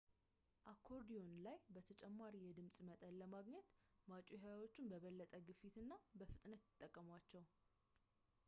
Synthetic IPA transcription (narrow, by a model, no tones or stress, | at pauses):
ʔakʰːo̞ɾd̪ijo̞nlajbət̪ʰət͡ʃʼɛmːaɾijɛd̪ɨmsʼmət̪ʼəlːəmaɡɲɛt̪mat͡ʃʼuhajwo̞t͡ʃːɪnbəβəlːət̪ʼəɡɨfit̪ɨnːabəfɨt̪ʼnət̪ɨt̪ʼːəkʼːəmwat͡ʃːɛw